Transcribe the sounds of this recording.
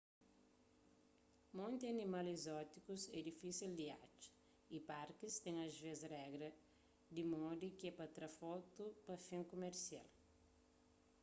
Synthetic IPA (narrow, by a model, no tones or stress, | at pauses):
mõnt̪iɐnimalizɔt̪ikuzɛd̪ifisild̪ia̰t͡ʃ | ipaɾkist̪ɛ̃ŋɐzvezrɛɡɾɐ | d̪imɔd̪ikɛpɐt̪ɾɐfɔt̪upɐfẽŋkomeɾsia̰l